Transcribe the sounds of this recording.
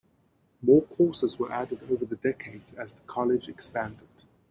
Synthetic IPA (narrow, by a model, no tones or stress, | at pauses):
mɔːkʰɔˑsɪzwəʔædɪdəʊvəðədɛkʰeɪdz̥əzðəkʰɒlɪd͡ʒɛkspæ̃ndɪd̥